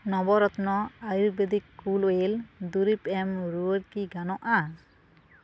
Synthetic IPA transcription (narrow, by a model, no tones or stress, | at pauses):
nɔbɔɾɔt̪nɔajɾbed̪ikːulojeld̪uɾipɛmɾuəɾkiɡanɔʔa